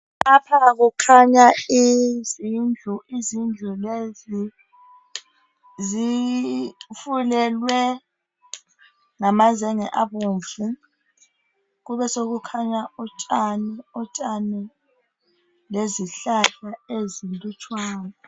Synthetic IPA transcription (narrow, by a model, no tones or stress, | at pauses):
apʰaɣ̬ukʰaɲaizind͡ɮʱuʔizind͡ɮʱulezi | zi | fulɛlwɛ | ŋamazɛŋɛ̰ʔaβoɱvʱu | ɣuβɛsoɣukʰaɲaɔt͡ʃʼanɛɔtʼanɛ | leziɬaɬaezindʼut͡ʃʰʼwaːnɔ